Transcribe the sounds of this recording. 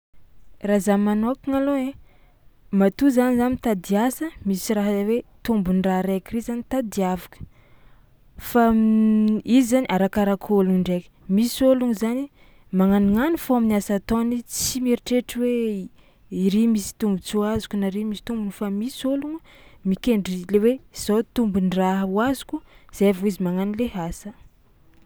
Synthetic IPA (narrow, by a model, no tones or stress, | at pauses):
razamanokiŋaloe | mat̪uzanizanit̪ad̪iasəmisiraɦawet̪umbunraɾekrizanit̪ad̪iavakə̥ | fa | izzaniʔaɾakaɾakʰoluɳɖ͡ʐekʲə̥misoluŋzani | maŋaniŋanufoaminasat̪onit͡simiɾiʈ͡ʂeʈ͡ʂiwe | iɾimisi̥t̪umbut͡suazu̥kunaɾimisi̥t̪umbunfamisoluŋu | mikeɳɖ͡ʐilewez̥ot̪umbunraɦəwazu̥kʲuz̥aavuizimaŋanileɦasə